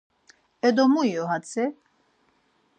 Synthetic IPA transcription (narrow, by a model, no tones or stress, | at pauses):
ɛd̪ɔmuijɔɦat͡sʰɛ